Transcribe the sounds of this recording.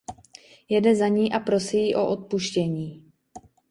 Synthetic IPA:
jɛdɛzaɲiːʔapɾo̞sijiʔo̞ʔot̪̚puʃcɛɲiː

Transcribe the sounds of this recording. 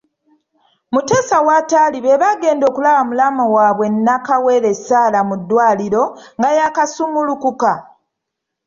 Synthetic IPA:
mute̞ːsawaːtaːliβe̞βaɡe̞ːndo̞ːkulaβamulamawaːβwe̞nːakawe̞ɾe̞saːlamudːwaːliɾo̞ŋɡajakasumulukuka

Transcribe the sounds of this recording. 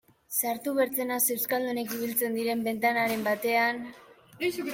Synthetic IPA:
saɾt̪uβe̞ɾt͡se̞nase̞wskald̪une̞kiβilt͡se̞nd̪iɾe̞mbe̞nt̪anaɾe̞mbat̪e̞an

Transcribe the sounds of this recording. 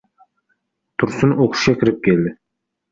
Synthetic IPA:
t̪ʰʊɾsʊnoqʰʊ̥ʃɡʲakʲʰɪɾɪp̚kʲʰeld̪ɪ

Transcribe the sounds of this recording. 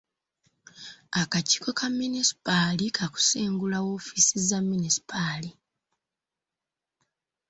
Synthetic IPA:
akaci̥ːko̞kʰamːinisi̥palikʰaku̥siːŋɡulawo̞ːfisizamːinisi̥pʰali

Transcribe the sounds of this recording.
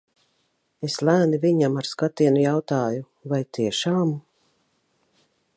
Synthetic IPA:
eslˠæːniviɲamaɾskat̪iɛnujawt̪aːju | vajt̪iɛʃaːm

